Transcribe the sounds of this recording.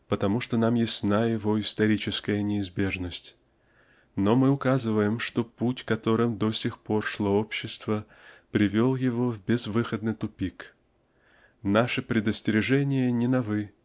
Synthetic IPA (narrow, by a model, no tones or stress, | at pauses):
pət̪ɐmuʂt̪onamjɪsʲsnajɪvo̞ɪst̪ɐɾʲit͡ɕɪskəjənʲɪɪzbʲe̞ʐnəsʲtʲ | nomɨʊkazɨvəjɪmʂt̪oputʲkɐt̪o̞ɾɨmd̪osʲɪxpo̞rʂlˠoopɕːɪst̪və | pɾʲɪvʲolˠjɪvo̞vbʲɪzvɨxəd̪nɨjt̪ʊpʲik | naʂɨpɾʲɪd̪əsʲtʲɪɾʲɪʐɛnʲɪjənʲɪnɐvɨ